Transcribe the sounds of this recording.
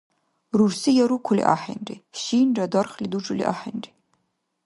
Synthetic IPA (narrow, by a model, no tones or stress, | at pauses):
rursijɛɾukʷʰʊlḭʔa̰ːħḛnrḭʃiːnradɐrχliduʈ͡ʂʼɨlḭʔa̰ːħḛnri